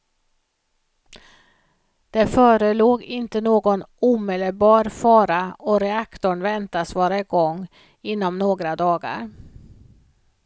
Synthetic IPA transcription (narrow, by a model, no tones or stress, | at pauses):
d̪̥ɛfœːɾəloːɡɪnt̪ənoːɡɔnuːmeːd̪əlbɑːɾfɑːɾaɔɾɛakt̪ʊɳvɛnt̪asvɑːɾaɪɡɔŋː | ɪnːɔmnoːɡɾad̪ɑːɡa̰ɾ